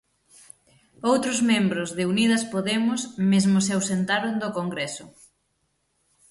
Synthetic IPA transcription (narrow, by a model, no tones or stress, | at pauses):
owt̪ɾʊzmẽmbɾʊzðɪunið̞ɐspoðemʊsmezmʊseawsent̪aɾond̪okoŋɡɾesʊ